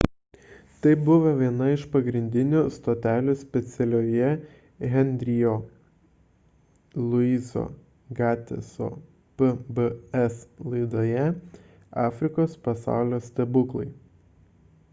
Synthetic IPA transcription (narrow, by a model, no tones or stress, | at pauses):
t̪ɐɪbʊʋɐʋʲiɛnɐɪʃpɐɡɾʲɪnʲd̪ʲɪnʲuːst̪oːt̪ʲæːlʲuːsʲpʲɛt̪sʲɛlʲoːjɛ | ɣʲɛnʲd̪ʲɾʲɪjoː | lˠʊiːzo̰ː | ɡɑːt̪ʲɛ̰so̰ː | pəbəɛslˠɐɪd̪oːjɛ | ɑːfʲɾʲɪkoːspɐsɑ̰ˑʊlʲoːsʲt̪ʲɛbʊklˠɐɪ